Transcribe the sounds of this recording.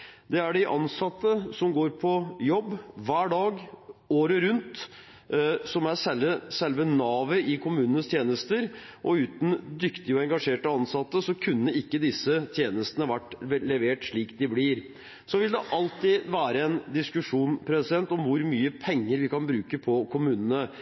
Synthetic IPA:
d̪ɛæɖɪʔɑ̰nsɑt̪ːəsɔmɡoːɾpʰɔjɔbːʋæːɖɑːɡoːɾəɾʉnt̪ | sɔmæɾsɛləsɛlʋənɑːʋəʔɪkʰʊmʉːnənəst̪ʰjeːnəst̪əɾʔɔʉːt̪n̩d̪ʏkt̪ɪəɔɛŋɡɑʂeːʈəɑnsɑt̪ːəsɔkʰʉnːəɪkːəd̪ɪsːət̪ʰjeːnəst̪ənəʋæʈːlɛʋeːʈʂɭiːkd̪ɪblɪɾ | sɔʋɪld̪ɛʔɑlt̪ɪʋæːɾəɛnd̪ɪskʉʂuːnpʰɾɛsɪd̪ɛnt̪ɔmʋʊɾmyːəpʰɛŋːəɾʋɪkɑnbɾʉːkəpʰɔkʰʊmʉːnənə

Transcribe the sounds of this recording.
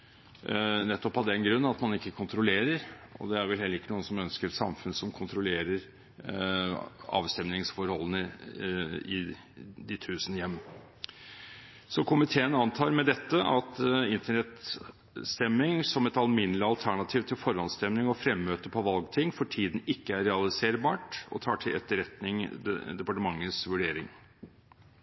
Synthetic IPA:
nɛt̪ːɔphɑd̪ɛnɡɾʉnːɑt̪mɑnɪkːəkʰʊnt̪ɾʊleːɾəɾɔ̰d̪ɛæɾʋɛlɦhɛlːəɾɪkːənuːənsɔmœnskəɾɛsɑ̰mfʉnəsɔmkʰʊnt̪ʰɾʊleːɾəɾ | ɑ̰ːʋst̪ɛmnɪŋsfɔɾhɔlːənə | ɪ | d̪ɪt̪ʰʉːsənəjɛmː | sɔkʰʊmɪt̪ʰeːənɑnt̪ʰɑːɾmɛd̪ɛt̪ːəʔɑt̪ɪnt̪əɳɛt̪ | st̪ɛmːɪŋsɔmɛt̪ɑlmɪnəlɪɑlt̪ʰæɳɑt̪ʰiːʋt̪ʰɪlfɔɾhɑnst̪ɛmnɪŋɔfɾɛmːøːt̪əpʰɔʋɑlɡt̪ʰɪŋːfɔʈʰiːd̪n̩ɪkːəæɾɛɑlɪseːɾbɑːʈɔ̰t̪ʰɑːʈʰɪlɛ̰t̪ːəɾɛt̪nɪŋd̪ɛpɑʈəmɑŋːəsʋʉɖeːɾɪŋ

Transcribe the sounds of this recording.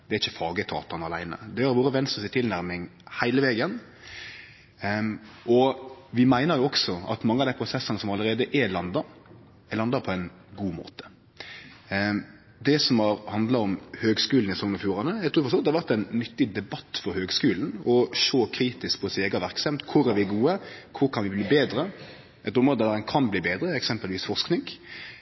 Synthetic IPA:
d̪̥ɛɾɪçːəfɑːɡət̪ʰɑ̰ːt̪ɑnəɑlæ̰ɪnə̰d̪ɛhɑɾʋuːɾəʋɛnst̪əsɪt̪ʰɪlnæɾmɪŋhæɪləʋeːɡən | ʔɔʋɪmæɪnəɾjʊɔksɔɑ̰t̪mɑŋːəɑʋd̪æɪpʰɾʊsɛsːənəsɔmɑləɾeːd̪əʔɛlɑnd̪ɑɾ | lɑnd̪ɑpʰɔɛɪn | ɡuːmo̰ːt̪ə̥ | d̪ɛsɔmhɑɾhɑnd̪lɑɔmhøːɡskʉːln̩ɪsɔŋnɑfjuːɾɑnəæɪɡt̪ʰʉːfɔst̪ɔd̪ɛɑɾʋæɾt̪ɛɪnːʏt̪ːɪd̪ɛbɑt̪ːfɔɾhøːɡskʉːln̩ɔʃoːkʰɾiːt̪ɪskpʰɔsɛːɡɑʋæɾksɛmt̪kʰʊɾæɾʋɪɡuːəkʰʊɾkʰɑnʋɪbliːbeːd̪ɾə | ɛt̪ʊmɾoːd̪əd̪ɑʁɛnkʰɑnbliːbeːd̪ɾəɛksɛmpəlʋiːsfɔɾsknɪŋ

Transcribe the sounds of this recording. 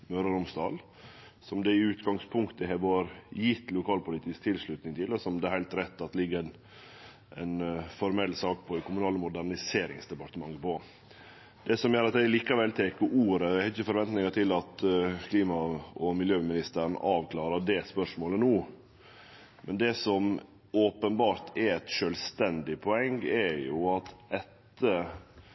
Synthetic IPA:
møɾəɾʊmsd̪ɑːl | sɔmd̪ɛɪʉːt̪ɡɑŋspʰʊŋkt̪əɦɛʋoɾjɪt̪ːlʊkʰɑːlpʊlɪt̪ʰiːsk̚t̪ʰɪlʂɭʉt̪nɪŋt̪ʰɪlːɔsɔmd̪ɛhæɪlt̪ɾɛt̪ːɑt̪lɪɡːəɾæn | ɛnfɔɾmɛlːsɑːkpʰɔɪkʰʊmʉnɑːləmʊd̪æɾɳɪseːɾɪ̰ŋsd̪ɛpɑʈ̪əmɑŋːəpʰɔ | d̪̥ɛsɔmjøːɾɑt̪d̪ɛɪliːkɑʋɛlt̪ʰeːkəʔuːɾəɛhɛɪçəfɔɾʋɛnt̪nɪŋət̪ɪlɑt̪kʰliːmɑɔmɪljøːmɪnɪst̪əɾn̩ʔɑːʋkʰlɑːɾəd̪ɛspœʂmoːlənuː | mʔɛnd̪ɛsɔm | oːpənbɑːɾt̪ʰɛɛt̪ʃœlst̪ɛnd̪ɪpʰɔɛŋɛjʊɑt̪ɛt̪ː | ə

